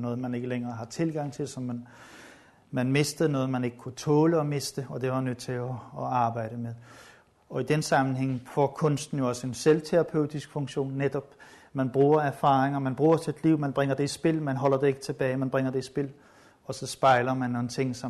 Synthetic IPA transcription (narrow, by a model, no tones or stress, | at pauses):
nɔ̽ːð̩ˠmæne̝ɡ̥əleŋɐːɦɑ̈t͡sʰe̝lɡ̥ɑ̈ŋ̰t͡sʰe̝lsɒ̽mːæn | mænme̝sd̥ð̩ˠnɔ̽ːð̩ˠmæne̝ɡ̥əkʰut͡sʰɔ̽ːləɒ̽me̝sd̥əɒ̽d̥e̝ʋɑ̈nød̥t͡sʰe̝ɒːɑ̈ːb̥ɑ̈ɪ̰ɾ̥əmeðˠ | ɒ̽id̥ensɑ̈mn̩ɦeŋ̰fɒ̰kʰɔ̽n̰sd̥n̩jo̝ɒ̽səenselt͡sʰeʁɑ̈pʰøʊ̰d̥isɡ̥fɔ̽ŋɕo̝̰ːnːed̥ɒ̽b̥ | mænb̥ʁṵːɐæɐfɑ̈ːʁeŋɐmænb̥ʁṵːɐt͡sʰe̝d̥liʊ̰mænb̥ʁɛŋ̰ɐd̥e̝isb̥e̝l̰mænɦɒ̽l̰ɐd̥e̝e̝ɡ̥ə̥t͡sʰe̝b̥ɛːɪmænb̥ʁeŋɐd̥e̝isb̥e̝l̰ | ɒ̽sɒ̽sb̥ɑ̈ɪlɐmænnoːnt͡sʰe̝ŋ̰sɒ̽